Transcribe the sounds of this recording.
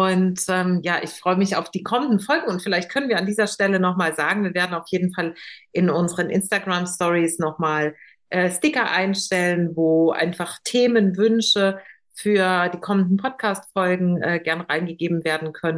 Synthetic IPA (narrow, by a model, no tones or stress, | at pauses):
ʔʊntʔɛːmjaːʔɪ̰çfʁ̥ɔʏəmɪça̰ʊfd̥iːkʰɔməndn̩fɔlɡŋ̩ʊntfɪlaɪçt̚kʰœnənviːɐandiːzɐʃtɛlənɔχmaːlzaːɡŋ̩viːɐveːɐdn̩aʊfjeːdn̩falʔɪnʔʊnzəʁənʔɪ̰nstaɡʁamstɔʁisnɔχmaːl | ʔɛːstɪkɐʔaɪnʃtɛlənvoːʔa̰ɪnfaχtʰeːmənvʏnʃə | fyːɐd̥iːkʰɔməndn̩pʰɔt̚kʰaːstfɔlɡŋ̩ʔɛːɡɛɐnʁaɪnɡəɡeːbm̩veːɐdn̩kʰœnənn